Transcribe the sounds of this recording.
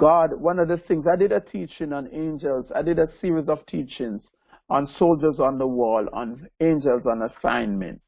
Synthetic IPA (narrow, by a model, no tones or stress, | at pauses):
ɡ̥ɔd̚wʌ̃nɔvðəθɪ̃ŋzaɪdɪdətʰiːt͡ʃɪ̃ŋə̃nẽnd͡ʒəlza̰ɪdɪdəsiɹizɔv̥tʰit͡ʃɪ̃ŋz̥ | ə̃nsold͡ʒə˞zɔ̃nðəwɔlə̰̃nẽnd͡ʒəlzɔ̃nəsã̰ɪ̃nmɛ̰̃nt